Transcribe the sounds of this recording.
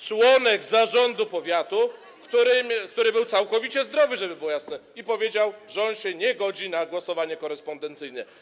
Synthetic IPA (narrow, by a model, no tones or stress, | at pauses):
t͡ʂwɔnɛɡzaʐɔnd̪upɔvʲjat̪u | kt̪uɾɘmʲkt̪uɾɘbɘwt̪sawkɔvʲit͡ɕɛzd̪ɾɔvɘʐɛbɘbɘwɔjasnɛipɔvʲjed͡ʑawʐɛɔnɕɛɲɛɡɔd͡ʑinaɡwɔsɔvaɲɛkɔɾɛspɔnd̪ɛnt̪sɘjnɛ